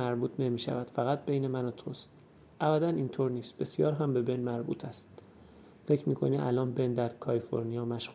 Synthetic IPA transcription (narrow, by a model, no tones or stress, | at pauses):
æɾbuːt̪ʰne̞miːʃæ̰væd̪̥fæɣæt̪̚bejne̞mænɒt̪ʰost̪ | ʔævæd̪ænint̪ʰoːɾniːst̪̚be̞sjɒːɾɦæmbe̞benmæɾbṵːt̪ʰæst̪ | fe̞cʰɾmiːkʰo̞̰niʔælɒːnbe̞nd̪æɾkʰɒlifo̞̰ɾnijɒːmæʃɣ